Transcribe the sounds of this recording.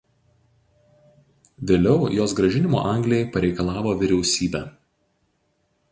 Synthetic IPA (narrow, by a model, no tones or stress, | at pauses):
ʋʲeːlʲɛʊjoːsɡɾɐʒʲɪnʲɪmo̰ːʔɑˑŋʲɡlʲɪjɛɪpɐɾʲɛɪkɐlˠɑːʋoːʋʲɪɾʲɛʊsʲiːbʲɛː